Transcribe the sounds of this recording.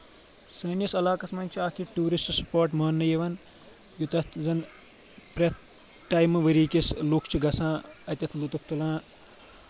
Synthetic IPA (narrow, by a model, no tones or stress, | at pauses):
sɐnjɐsɐlaːkɐsmɐnʲt͡ʃʰiaːkʰiʈuːɾisʈspoːɾʈmɐːnːɐjɐʋɐn | jut̪ɐt̪ʰzɐn | pɾɐt̪ | ʈaːjmɨʋɐɾiːkʲislukʰt͡ʃʰiɡɐsãːɐt̪ʲɐt̪ʰlut̪up̚t̪ulãː